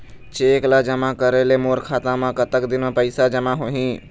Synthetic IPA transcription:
t͡ʃeːklad͡ʒəmakəɾelemoːɾkʰaːt̪ãmãkət̪əkd̪ɪnõpəɪsad͡ʒəmaɦoːɦĩ

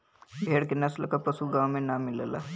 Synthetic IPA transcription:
bʱeːɽkenəslkapəsuɡãwmẽnamɪləla̰

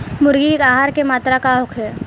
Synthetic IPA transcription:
mʊɾɡikaːɦaːɾkemaːt̪ɾakaɦʊkʰɛː

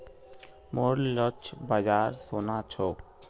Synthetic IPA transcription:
moɾlɔt͡ɕʰbad͡ʑaɾsonat͡ɕʰo

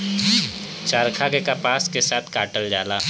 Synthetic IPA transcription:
t͡ʃaːɾkʰakekapaːskesaːt̪ʰkaːʈəld͡ʒaːlaː

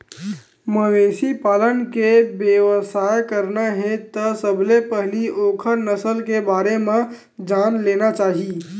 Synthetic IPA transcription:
məwesipaːlənkebjeʋəsajkəɾnaɦẽt̪əsəbʱlepəɦliʔokʰənəsəlkebaːɾemẽ | d͡ʒanlenat͡ʃaːɦi

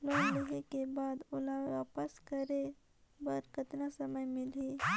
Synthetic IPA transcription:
loːnleɦekebaːd̪ʊlaʋaːpəskəɾe | bəɾkət̪nasəməjmɪle

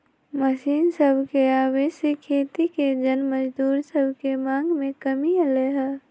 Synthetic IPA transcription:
məʃiːnsəbʱkeaːweːʃikkʰːeːt̪iked͡ʒənməd͡ʒd̪uːɾsəbʱkemãːŋɡmẽkəmiəleɦɛː

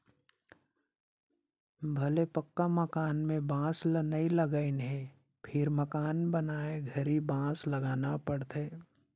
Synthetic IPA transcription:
bʱɐlepəkːaməkaːnmẽbãːslənəiləɡəinɦe | pʰɪɾməkaːnbənaːeɡʱəɾibãːsləɡaːnapəɽt̪ʰeː

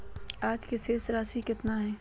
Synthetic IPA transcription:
aːd͡ʒkeseːsɾaːsikɪt̪naɦɛː

